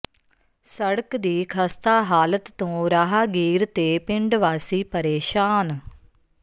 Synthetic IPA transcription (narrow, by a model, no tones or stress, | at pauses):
səɽəkd̪iːkʰəst̪aːɦaːlət̪ːõːɾaːɦaːɡiːɾt̪eːpɪɳɖʋaːsiːpəɾeːʃaːn